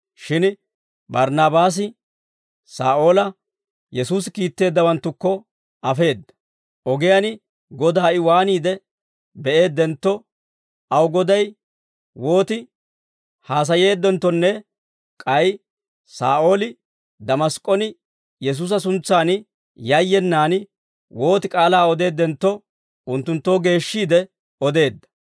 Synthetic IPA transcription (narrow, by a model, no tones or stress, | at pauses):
ʃɪn | bɐɾnaːbaːs̬ɪ | saːʔo̞ːlɐ | jɛsuːs̬ɪkiːt̪ːe̞ːd̪ːɐwɐnt̪ːʊkːɔ | ɐfe̞ːd̪ːɐ̥ | ʔɔɡɪjanɪ | ɡɔd̪aːʔɪwaːniːd̪ɛ | bɛʔe̞ːd̪ːɛnt̪ːɔ | ɐwɡɔd̪ɐj | wo̞ːt̪ɪ | haːs̬ɐje̞ːd̪ːɔnt̪ːɔnːɛ | kʼɐj | sa̰ːʔo̞ːlɪ | d̪ɐmɐskʼːɔnɪ | jɛs̬uːs̬ɐs̬ʊnt͡sːaːn | jɐjːɛnːaːn | wo̞ːt̪ɪkʼaːlaːɔd̪e̞ːd̪ːɛnt̪ːɔ | ʊnt̪ːʊnt̪ːo̞ːɡe̞ːʃːiːd̪ɛ | ɔd̪e̞ːd̪ːɐ̥